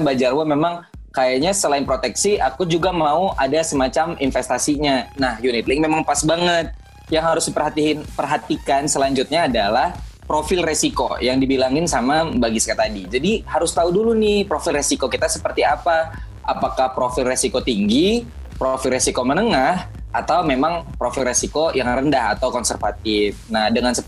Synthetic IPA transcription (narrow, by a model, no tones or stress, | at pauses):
nbad͡ʒarwamemaŋ | kajaɲasəlaɪnpɾot̪ɛksiʔakud͡ʒuɡamauʔadasəmat͡ʃaminfɛst̪asiɲanahjunɪt̪lɪŋmemaŋpasbaŋət̪̚ | jaŋɦaɾʊsdipərɦat̪iɪnpərɦat̪ikansəlaɲd͡ʒʊt̪̚ɲaːdalahpɾofɪlresiko̰jaŋdibilaŋɪnsamabaɡisə̥kət̪adid͡ʒadihaɾʊst̪audulunɪhpɾofɪlresikokit̪asə̥pərt̪iapa | apakahpɾofɪlresikot̪iŋɡi | pɾofɪlresikomənəŋah | at̪awmemaŋpɾofɪlresikojaŋrəndaha̰t̪awkɔnsərfat̪ɪfnahdəŋansə